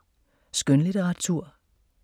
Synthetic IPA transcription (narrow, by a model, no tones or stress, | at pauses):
sɡ̥ønliɾəʁɑ̈t͡sʰuɐ̰